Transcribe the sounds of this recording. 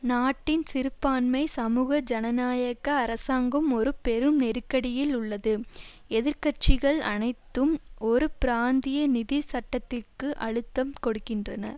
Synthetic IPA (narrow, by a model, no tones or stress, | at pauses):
naːʈːɪnsɪɾɯpːaːnmɐɪsɐmuːɣɐd͡ʒɐnɐnaːjɐɣɐːɾɐsaːŋɡɯmɔɾɯpɛɾɯmnɛɾɯkːɐɽɪjɪlʊɭːɐðɯ | ɛðɪɾkɐt͡ʃɪɣɐɭɐ̰nɐɪt̪ːɯmɔɾɯpɪɾaːnd̪ɪjɐnɪðisɐʈːɐt̪ːɪrkɯʔɐɻɯt̪ːɐmkɔɽɯkːɪndrɐnɐ̰ɾ